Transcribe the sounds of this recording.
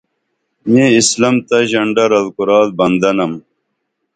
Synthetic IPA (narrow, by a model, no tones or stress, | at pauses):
meːislɐmt̪ɐʑɐɳɖɐɾɐlkuɾaːd̪̚bɐnd̪ɐnɐm